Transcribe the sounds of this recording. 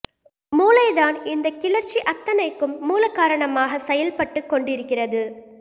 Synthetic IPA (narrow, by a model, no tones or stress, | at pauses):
muːlɐɪðaːnɪnd̪ɐkɪlɐɾt͡ʃiʔɐt̪ːɐnɐɪkːɯmːuːlɐkːaːɾɐɳɐmaːɣɐsɛjɐlpɐʈːɯkːɔɳɖɪɾɯkːɪrɐðɯ